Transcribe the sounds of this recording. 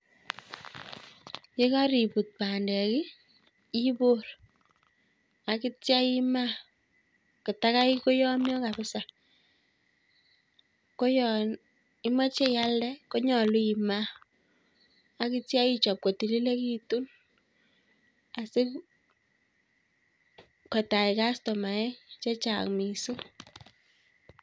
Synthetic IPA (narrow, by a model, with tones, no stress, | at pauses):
ke˦ka˦ɾi˨pu˨t̚pa˨ndɛ˨kɪ˦ | i˦bo˦r | a˨kɪ˦tja˦jɪ˦ma˦ | kɪ˨ta˦ka˦i˦ko˦jɔ˦mjɔ˦ka˨βɪ˦sa˨ | ko˦jɔ˨n | i˦ma˦t͡ʃe˦ja˦lɛ˦ko˦ɲɔ˨lu˦i˨ma˦ | a˨˦ki˦tja˦i˦t͡ʃɔ˨p̚ko˨ti˨li˦le˦ki˦tu˦n | a˨sɪ˦ | ka˨ta˨i˨ka˦stɔ˨ma˨ɛ˦t͡ʃa˦t͡ʃa̰˨kmi˨so˦